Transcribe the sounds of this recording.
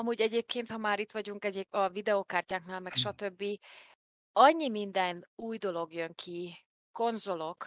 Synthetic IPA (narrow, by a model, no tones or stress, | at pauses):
ɒmuːɟɛɟeːp̚keːnt̪hɒmaːɾit̪ʋɒɟuŋkɛɟeɒvid̪ɛokaːrcaːknaːlmɛkʃɒt̪øbːi | ɒɲːimind̪ɛnuːjd̪o̞lo̞ɡjø̞ŋkʰi | ko̞nzo̞lo̞k